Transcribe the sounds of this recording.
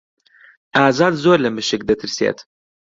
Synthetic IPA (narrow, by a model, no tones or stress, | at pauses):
ʔaːzɑːd̪zoːɾlɐmɨʃɨk̚d̪ɐt̪ʰɨɾsjḛːt̪